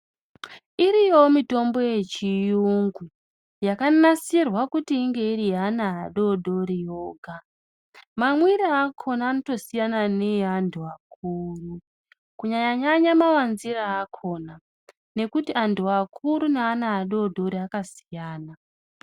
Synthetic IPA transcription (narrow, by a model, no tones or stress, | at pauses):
iɾijo̞mito̞mbo̞je̞t͡ʃijuŋɡu | jakanasirwakutiːŋɡe̞irianaɦaɗo̞ɗo̞ɾijo̞ːɡʱa | mamwiɾaakʰo̞naːno̞to̞sijanane̞jandʱuak̚ʰuːru | kuɲaɲaɲaɲamaʋanziraːkʰo̞ːna | ne̞kutianduakʰuɾuneanaɦːɗo̞ɗo̞ɾiakasi̥jaːna